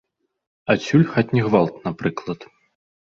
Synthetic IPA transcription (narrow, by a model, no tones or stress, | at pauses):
at͡sʲulʲxatʲnʲiɣvalˠt̪napɾɨklˠɐt̪